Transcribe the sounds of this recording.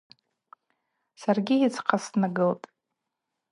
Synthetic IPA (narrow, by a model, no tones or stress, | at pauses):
sarɡʲiit͡sʰqʰasnaɡɨltʼ